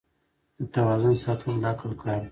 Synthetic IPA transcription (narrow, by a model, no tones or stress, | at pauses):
d̪ət̪awɑzʊnsɑt̪ʰəmlɑkəlkɽaɾ